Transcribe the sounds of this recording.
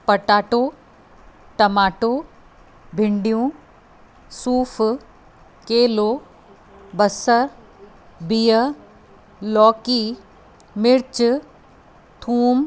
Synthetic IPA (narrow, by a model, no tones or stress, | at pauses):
pɐʈaːʈo | ʈɐmaːʈoː | bʱɪɳɖijũ | suːf | keːloː | bɐsəɾ | bijə | lɔːkiː | mɪɾt͡ʃ | t̪ʰuːm